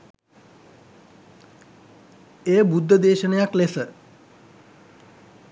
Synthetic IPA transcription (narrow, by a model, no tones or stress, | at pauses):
eːbud̪ʱːəd̪eːʃənəjaklesə